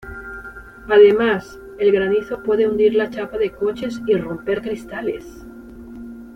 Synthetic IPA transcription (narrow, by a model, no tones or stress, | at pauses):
aðe̞mas | e̞lɣɾaniθo̞pwe̞ðe̞und̪iɾlat͡ʃapaðe̞ko̞t͡ʃe̞siro̞mpe̞ɾkɾist̪ale̞̰s